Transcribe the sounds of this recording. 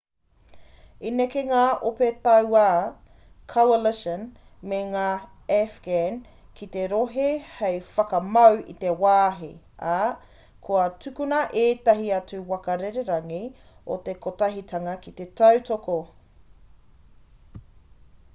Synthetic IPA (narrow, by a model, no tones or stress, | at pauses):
inekeŋaːʔopet̪ɐwa | kʰowɐlɪʃən | meŋaː | ɛfɡ̥en | kʰit̪eɾoɦehejfɐkɐmɐwḭt̪ewaːɦḭ | a | kʰoɐtukunɐʔeːt̪ɐɦiɐt͡suwɐkɐɾeɾeɾɐŋi | o̰t̪ekotɐɦit̪ʰɐŋɐkit̪etɐwtoko